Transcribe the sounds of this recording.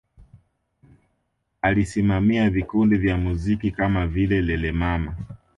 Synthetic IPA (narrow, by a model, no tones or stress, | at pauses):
alisimamiavikundivjamuzikikamavilɛlɛlɛmama